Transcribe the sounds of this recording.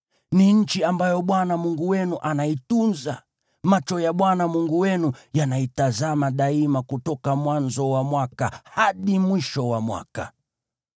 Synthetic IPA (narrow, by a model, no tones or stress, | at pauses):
niɲ̩t͡ʃiambajɔɓwanamuŋɡuwɛnuʔanaitunza | mat͡ʃɔjaɓwanamuŋɡuwɛnujanaitazamaɗaimakutɔkamwanzɔwamwakahaɗimwiʃɔwamwa̰ka̰